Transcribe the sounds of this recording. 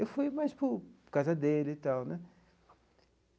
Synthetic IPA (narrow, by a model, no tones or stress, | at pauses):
ewfujmajspʊɾkazɐd̪elɪt̪awnɛ